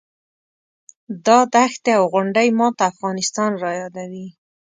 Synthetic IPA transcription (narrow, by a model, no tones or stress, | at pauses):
d̪ɑd̪axt̪eawɣʊɳɖajmɑt̪aːfɣɑnɪst̪ɑnɾɑjɑd̪awi